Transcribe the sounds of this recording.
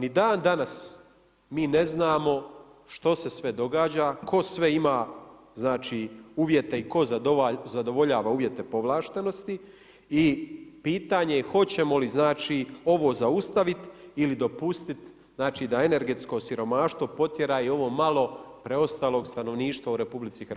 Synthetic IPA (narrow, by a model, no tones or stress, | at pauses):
nid̪aːnd̪anas | miːneznaːmo̞ | ʃt̪o̞se̞sʋe̞d̪o̞ɡaːd͡ʑakʰo̞sʋeimaː | znaːt͡ʃiːuːʋje̞t̪eiko̞zaozad̪o̞ʋo̞ʎaːʋauːʋje̞t̪e̞po̞ʋlˠaːʃt̪e̞no̞st̪i | ipiːt̪aːɲe̞xo̞t͡ɕe̞mo̞liznaːt͡ʃiːo̞ʋo̞ːzaust̪aʋit̪ilid̪o̞pust̪it̪ | znaːt͡ʃiːd̪ae̞ne̞ɾɡe̞t̪sko̞siɾo̞maːʃt̪ʋo̞po̞t̪je̞ɾaːio̞ʋo̞ːmalˠo̞pɾe̞o̞st̪aːlo̞ːɡst̪ano̞ʋniːʃt̪ʋauɾe̞publit̪sixr